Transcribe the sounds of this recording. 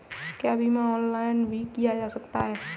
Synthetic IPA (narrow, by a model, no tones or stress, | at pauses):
kjaːbʱimãɔːnlaːɪnbʱikijad͡ʒaːsɐkt̪aɦɛː